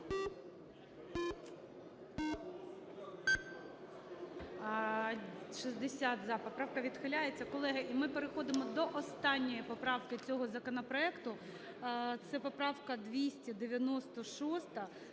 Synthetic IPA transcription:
ʃizd̪esʲat̪zɑpɔpɾɑwkɐʋʲid̪xɪlʲajet͡sʲːɐkɔlˠɛɦɐʔimɪpeɾexɔd̪ɪmɔd̪ɔʔɔst̪ɑnʲːɔjipɔpɾɑwkɪt͡sʲɔɦɔzɐkɔnɔpɾɔɛkt̪ʊ | t̪sɛpɔpɾɑwkɐd̪ʋʲisʲtʲid̪ɪʋʲjɐnɔst̪ɔʃɔst̪ɐ

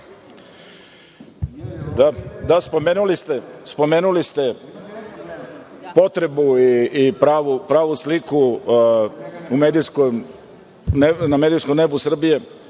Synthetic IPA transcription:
d̪ad̪aspo̞me̞ːnulist̪e̞spo̞me̞ːnulist̪e̞ | po̞t̪ɾe̞buiipɾaːʋupɾaːʋusliku | umeːd̪ijskom | nenamed̪ijskomne̞busr̩bije̞

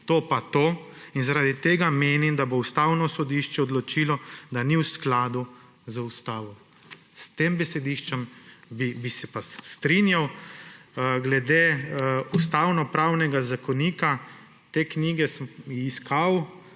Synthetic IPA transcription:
t̪oːpat̪oː | inzaɾad̪it̪eːɡameːnimd̪aboust̪aːwnɔsɔd̪iʃt͡ʃɛɔd̪lɔt͡ʃiːlɔd̪aniwsklaːd̪u | zəust̪aːʋɔ | st̪embɛsɛd̪iʃt͡ʃɛmbibisɛpast̪ɾinjaw | ɡlɛd̪eust̪awnɔpɾaːwnɛɡazakɔniːka | t̪ekniːɡɛsmiskʰaw

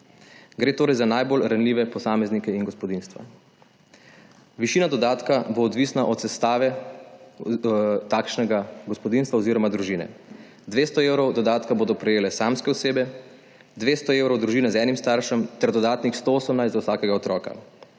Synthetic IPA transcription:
ɡɾeːt̪oːɾɛjzanajbolɾanliːʋɛpɔsaːmɛznikɛinɡɔspɔd̪inst̪ʋa̰ | ʋiʃiːnad̪ɔd̪aːt̪kaboːd̪ʋiːsnaʔɔt̪sɛst̪aːʋɛ | t̪aːkʃnɛɡaɡɔspɔd̪inst̪ʋaoziːɾɔmad̪ɾuʒiːnɛ̰ | d̪ʋeːst̪ɔewɾɔwd̪ɔd̪aːt̪kaboːd̪ɔpɾɛjeːlɛsamskɛɔseːbɛ | d̪ʋeːst̪ɔeːwɾɔwd̪ɾuʒiːnɛzɛːnimst̪aɾʃɛmt̪ɛɾd̪ɔd̪aːt̪nixst̪ooːsəmnaɪjst̪zawsaːkɛɡaɔt̪ɾɔːka̰

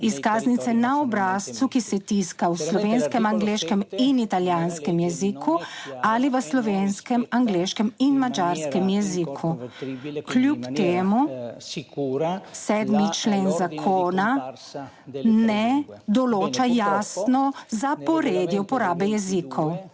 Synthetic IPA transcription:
iskaːznit̪sɛnaɔbɾaːst̪t͡s̪ukisɛt̪iskawslɔʋeːnskɛmaŋɡleːʃkɛminit̪aljanskɛmjɛzikʰualiʋəslɔʋeːnskɛmaŋɡleːʃkɛminmad͡ʒaːɾskɛmjɛzikʰu | kljupt̪eːmu | sɛd̪mit͡ʃleːnzakʰoːna | nɛd̪ɔloːt͡ʃajaːsnɔzapɔɾeːd̪jɛupɔɾaːbɛjɛzikʰɔw

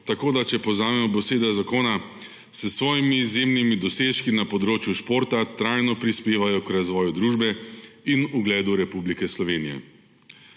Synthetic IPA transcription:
t̪akoːd̪at͡ʃɛpɔwzaːmɛmɔboseːd̪azakoːna | səsʋɔːjimizjemnimid̪ɔseːʃkinapɔd̪ɾoːt͡ʃjuʃpoːɾt̪at̪ɾajnɔpɾispeːʋajɔkɾazʋɔːjud̪ɾuːʒbɛinuɡlɛːd̪uɾɛpublikɛslɔʋeːnijɛ̰

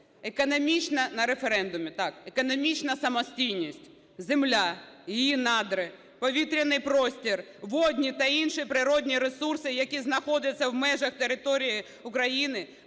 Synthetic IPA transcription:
ekɔnɔmʲit͡ʃnɐnɐɾefeɾɛnd̪ʊmʲɪt̪ɑkekɔnɔmʲit͡ʃnɐsɐmɔsʲtʲijnʲisʲtʲ | zemlʲajɪjinɑd̪ɾɪ | pɔʋʲit̪ɾʲɐnɪjpɾɔsʲtʲir | ʋɔd̪ʲnʲit̪ɐinʃipɾɪɾɔdʲnʲiɾesursɪjɐkʲiznɐxɔdʲɐt͡sʲːɐwmɛʒɐxt̪eɾɪt̪ɔɾʲiji | ʊkɾɐjinɪ

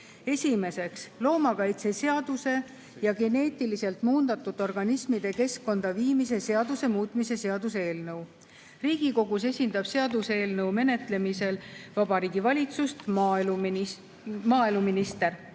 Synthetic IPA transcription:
e̞sʲime̞se̞kslo̞ːmɑkɑjt̪se̞se̞ɑd̪̥use̞ | jɑɡe̞ne̞ːt̪ˑilise̞lt̪ˑmuːnd̪̥ɑt̪ːˑud̪̥ˑo̞rɡ̥ɑnismid̪̥e̞ke̞skːo̞nd̪̥ɑviːmis̬e̞se̞ɑd̪̥use̞muːt̪ˑmise̞se̞ɑd̪̥use̞ːlnɤw | riːɡ̥iko̞ɡ̥use̞sʲind̪̥ɑb̥se̞ɑd̪use̞ːlnɤwme̞ne̞t̪le̞mise̞lvɑb̥ɑɾiːɡ̥ivɑlʲit̪sust̪m | mɑːeluminist̪e̞r

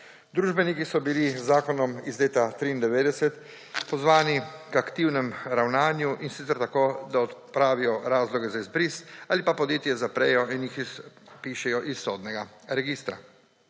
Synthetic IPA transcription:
d̪ɾuːʒbɛnikisɔbilizːaːkɔnɔmizleːt̪at̪ɾiːnd̪ɛʋeːd̪ɛsɛt̪ | pɔzʋaːnikakt̪iwnɛmɾawnaːnjuʔinsit̪sɛɾt̪akod̪aɔt̪pɾaːʋijɔɾaːzlɔɡɛzaizbɾisaːlipapɔd̪jeːt̪jɛzapɾɛjɔinjixpiːʃɛjɔʔisːoːd̪nɛɡaɾɛɡiːst̪ɾa̰

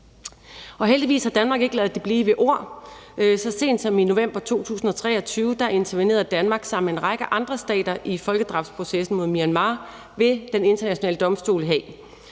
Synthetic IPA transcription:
ɒ̽ɦeld̥iʋḭːshɑ̈d̥ænmɑ̈ːɡ̥e̝ɡ̥əlɛːð̩ˠd̥ib̥liːʋeʔo̝ɐ̰ | sɒ̽se̝̰ːnd̥sɒ̽mino̝ʋem̰b̥ɐt͡sʰo̝̰ːt͡sʰṵːsn̩ɒ̽t͡sʰʁɛ̰ːɒ̽t͡sʰyːʊəd̥ɑʔe̝nt͡sʰɐʋine̝̰ːɐð̩ˠd̥ænmɑ̈ːɡ̥sɑ̈m̰n̩enʁɑ̈ɡ̥əʔɑ̈nd̥ʁɐsd̥ɛ̰ːd̥ɐʔifɒ̽lɡ̥əd̥ʁɑ̈ʊfd̥spʰʁo̝sesn̩mo̝ðˠmiænmɑ̈ː | ʋe̝d̥ene̝nd̥ɐnæɕo̝nɛ̰ːləd̥ɒ̽msd̥o̝̰ːləɦɛː

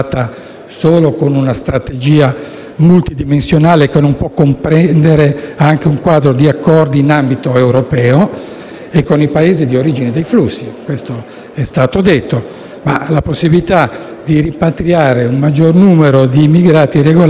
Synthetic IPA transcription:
t̪a | soːlokonunast̪ɾat̪ed͡ʒiːa | mult̪id̪imensjonaːlekenompwɔkːompɾɛnd̪eɾeaŋk̟euŋkwaːd̪ɾod̪iakʰːɔrd̪iːnambit̪oewɾopɛːo | ekːonipaeːzid̪ioɾiːd͡ʒined̪ejflusːikwest̪o | ɛst̪aːt̪od̪et̪ːo | ma̰laposːibilit̪ad̪iɾimpat̪ɾiaːɾeuŋmad͡ʒːornuːmeɾod̪iːmːiɡɾaːt̪ireɡol

